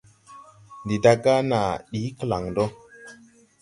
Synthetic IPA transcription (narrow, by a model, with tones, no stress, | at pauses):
ndi˨da˧ɡa˦na˨ɗi˨˦kə˦˨la˨ŋdo˦